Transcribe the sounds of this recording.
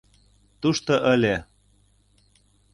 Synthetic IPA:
t̪uʃt̪oʔəlʲe

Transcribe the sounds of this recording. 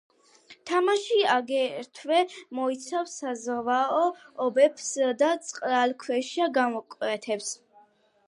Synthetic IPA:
t̪ʰamaʃiaɡɛɾt̪ʰvɛmɔit̪sʰawsazʁvaɔɔbɛpsd̪at̪sʼqʼɾalkʰwɛʃaɡamɔkʼwɛt̪ʰɛps

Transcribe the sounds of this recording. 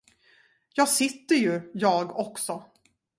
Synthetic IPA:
jɑːɡsɪt̪ːəɾjɵjɑːɡɔksɔ

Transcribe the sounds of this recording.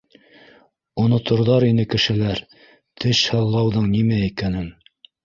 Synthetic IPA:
ŏnŏt̪ŏɾðɑɾinɘkɘ̆ʃɘ̆læɾ | t̪ʰɘʃhɤlˠːɑwðɤɴnimæikænɘŋ

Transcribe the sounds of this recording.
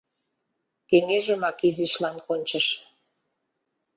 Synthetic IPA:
keŋeʒə̆mɑkiziʃlɑnkonʲt͡ɕə̆ʃ

